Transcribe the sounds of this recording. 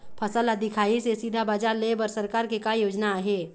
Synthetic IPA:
pʰəsəlad̪ɪkʰaːisesiːd̪ʱabad͡ʒaɾlebəɾsəɾkaːɾkekajoːd͡ʒnaaɦeː

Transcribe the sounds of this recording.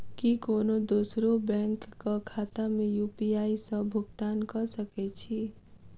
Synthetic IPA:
kikoːnod̪uːsɾobɛ̃ːŋkːakʰaːt̪amẽjuːpiaːisɐbʱʊɡt̪aːnkɐɾsɐket͡ʃʰi

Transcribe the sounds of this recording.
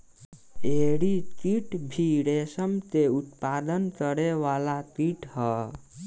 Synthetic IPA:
eɽit̪iʈbʱiɽesəmt̪eut̪pad̪ənkəɽeʋalat̪iʈhʌ

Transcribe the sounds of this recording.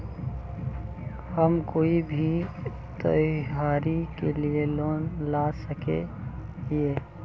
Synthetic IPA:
həmkoːibʱi | t̪ə̰jaːɾikelieloːnlasəkḛ | jeː

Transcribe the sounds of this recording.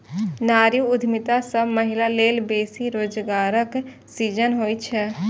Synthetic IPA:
naːɾjuʊd̪ʱmɪt̪asəbməɦɪlaleːlbeːsiɾoːd͡ʒɡaːɾək | siːd͡ʒənɦoːit͡ʃʰɛ

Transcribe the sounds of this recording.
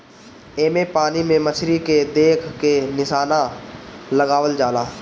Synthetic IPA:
eːmepaːnimẽmət͡ʃʰɾiked̪eːkʰkenɪʃaːnã | lɐɡaːʋəld͡ʒaːlaː

